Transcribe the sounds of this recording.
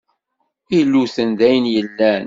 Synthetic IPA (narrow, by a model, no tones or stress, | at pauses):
ilːuθənðæjənjəlːæn